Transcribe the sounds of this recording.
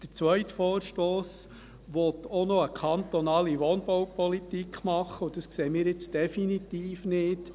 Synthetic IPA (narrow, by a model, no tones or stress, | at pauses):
d̥əɾt͡sʋœʏtfɔːɾʃtoːs | ʋɔt̪ɔnɔəkʰɑnt̪ɔnɑːliʋɔːnb̥ɔwpɔlit̪ikʰmɑχːəʊd̥əskseːmɪːɾjɪt͡sd̥ɛfinit̪iːfnɪːd